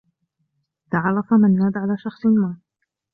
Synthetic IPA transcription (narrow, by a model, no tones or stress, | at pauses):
t̪aʕɑrˤːɑfamanːaːd̪ʕalaːʃɑxsˤnmaː